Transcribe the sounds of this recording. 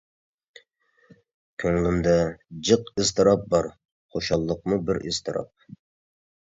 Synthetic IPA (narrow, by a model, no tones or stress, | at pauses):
kʲʰøŋlynd̪ɛd͡ʒɨqɨzt̪ʰɨɾɑp̚bɑɾ | χoʃɑlˠːəq̚mubɪɾɪ̰z̥t̪ʰɨɾɑ̰p̚